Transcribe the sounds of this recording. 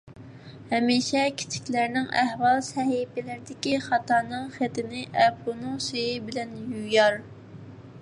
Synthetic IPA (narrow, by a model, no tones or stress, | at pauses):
hɛmiʃɛkʲʰi̥t͡ʃʰi̥kʲlæɾnɪŋæhwɑlˠsɛhipɪlɪɾɪd̪ɪkʲiχɑt̪ɑːnɨŋχɪt̪ɪnɪʔɛpʰunɨŋsejɪbɪlɛnjujɑɾ